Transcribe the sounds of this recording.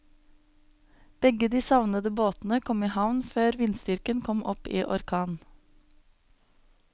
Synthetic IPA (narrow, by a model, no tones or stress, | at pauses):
b̥ɛɡəd̪iːsɑʋnəd̪əboːt̪n̩əkʰɔmiːhɑʋnføːɾʋɪnst̪ʏɾkənkʰɔmʔɔpḭːʔɔɾkʰɑːn